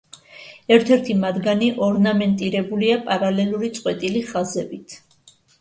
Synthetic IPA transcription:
ɛɾt̪ʰɛɾt̪ʰimad̪ɡaniʔɔɾnamɛnt̪ʼiɾɛbuliapʼaɾalɛluɾit̪sʼqʼwɛt̪ʼiliχazɛbit̪ʰ

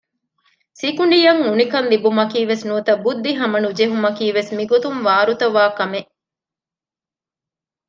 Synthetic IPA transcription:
sikuɳɖijɐŋunikɐnlibumɐkiːʋesnuːt̪ɐbud̪ːiɦɐmɐnud͡ʒeɦumɐkiːʋesmiɡot̪umʋaːɾut̪ɐʋaːkɐmeʔ

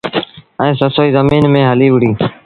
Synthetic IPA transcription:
ɛ̃ːsəsoːiːzəmiːnmẽːɦəliːʋɪɽiː

